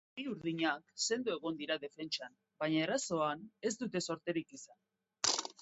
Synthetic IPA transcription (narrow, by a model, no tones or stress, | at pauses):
biuɾðiɲakse̞nd̪ue̞ɣ̞o̞nd̪iɾaðe̞fe̞nt͡ʃan | baɲaeraso̞ane̞zt̪ut̪e̞so̞ɾt̪e̞ɾikisan